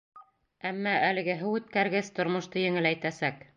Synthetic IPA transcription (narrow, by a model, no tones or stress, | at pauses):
æmːæælɘ̆ɡɘɦɘwʉt̪̚kæɾɡɘst̪ŏɾmŏʃt̪ɤjɘ̆ŋɘlæjt̪æsæk